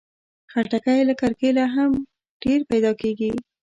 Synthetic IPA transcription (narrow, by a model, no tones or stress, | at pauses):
xaɾʈakajlakaɾkelaɦam | ɖ̥eɾpajd̪ɑkeɡi